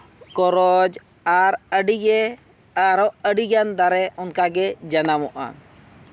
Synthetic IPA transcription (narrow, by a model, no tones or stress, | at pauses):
kɔɾɔd͡ʒ | aɾəɖiɡɛ | aɾɔʔəɖiɡand̪aɾɛɔnkaɡɛd͡ʒanamɔʔa̰